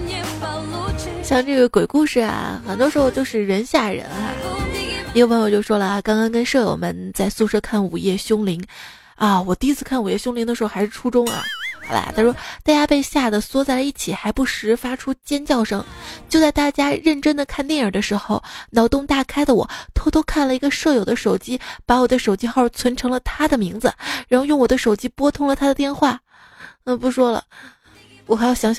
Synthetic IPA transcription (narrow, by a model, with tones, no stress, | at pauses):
ɕjɑ˥˧ŋʈ͡ʂɤ˥˩ɡə˩kwe˨˩ɪku˥˧ʂɻ̩˥˩a̰˩xə˨˩nt̪wɔ˥ʂɻ̩˧˥xo˧ʊt͡ɕjo˥˧ʊʂɻ̩˥˩ɻə˧˥nɕja˥˩ɻə̰˧˥na̰˧˥˧ | wa˧˥n˧˨˩t͡ɕjo˥˩ʊʂwɔ˥lə˨a˩kɑ˥ŋkɑ˥ŋkə˥nʂɤ˥˩jo̰˨˩ʊmə˧˥nt͡sa˥˧ɪsu˥˧˩ʂɤ˥kʰa˥˩nu˨˩jɛ˥˩ɕjʊ˥ŋli˧˥ŋ | ɐ˥˧wɔ˨˩t̪i˥˧˥t͡sʰɹ̩˥˧kʰa˥˩nu˨˩jɛ˥˩ɕjʊ˥ŋli˧˥ŋd̪ə˧ʂɻ̩˧˥xo˧xɪʂɻ̩˥˩ʈ͡ʂʰu˥ʈ͡ʂʊ˥ŋɐ̰˧xɑ˧˥l̰t̪ʰa˥˩ɻʂwɔ˥t̪a˥˧t͡ɕja˥pe˥˧ɪɕja˥˩d̪ə˩swɔ˥t͡sa˥˩ɪlə˩i˥˩t͡ɕʰi˨˩xa˧˥ɪpu˥˩ʂɻ̩˧˥fa˥ʈ͡ʂʰu˥t͡ɕjɛ˥nt͡ɕjɑ˥˩ʊʂɤ̰˥˩ŋt͡ɕjo˥˧ʊt͡sa˥˧ɪt̪a˥˩t͡ɕja˥ɻə˥˩nʈ͡ʂə˥nd̪ə˨kʰa˥˧nt̪jɛ˥˩nə˞˨˩d̪ə˦ʂɻ̩˧˥xo˧ʊnɑ˧˥ʊt̪ʊ˥ŋt̪a˥˩kʰa˥ɪlə˨wɔ̰˨˩t̪ʰo˥ʊt̪ʰo˥kʰa˥˩nlə˩i˧˥ɡə˧ʂɤ˥˩jo˨˩ʊd̪ə˦ʂo˨˩ʊt͡ɕi˥pa˧˥wɔ˨˩d̪ə˦ʂo˨˩ʊt͡ɕi˥xo˥˩ʊt͡sʰwə˧˥nʈ͡ʂʰɤ˧˥ŋlə˧t̪ʰa˥d̪ə˨mi˧˥ŋd͡zɹ̩˧ɻa˧˥nxjʊ˥˩ŋwɔ˨˩d̪ə˦ʂo˨˩ʊt͡ɕi˥pwɔ˥t̪ʰʊ˥ŋlə˨t̪ʰa˥d̪ə˨t̪jɛ˥˧nxwa˥˩˥ | pu˧˥ʂwɔ˥lə̰˨ | wɔ˨˩xɪjɑ˧˩ɕjɑ˧˥ŋɕ